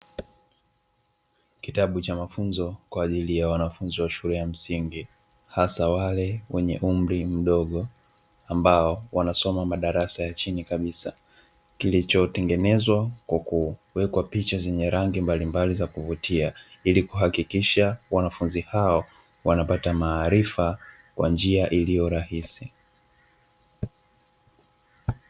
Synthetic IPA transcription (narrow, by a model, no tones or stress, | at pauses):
kitaɓut͡ʃamafunzɔkwaːʄilijawanafunziwaʃuɾɛjam̩siŋɡi | hasawalɛwɛɲɛʔum̩ɾim̩ɗɔɠɔ | ambaɔwanasɔmamaɗaɾasajat͡ʃinikaɓisa | kilit͡ʃɔtɛŋɡɛnɛzwakwakuwɛkwapit͡ʃazɛɲɛɾaŋɡimbalimbalizakuvutiailikuɦakikiʃawanafunzihaɔ | wanapatamaːɾifa | kwa̰nd͡ʒiaʔilijɔɾahisi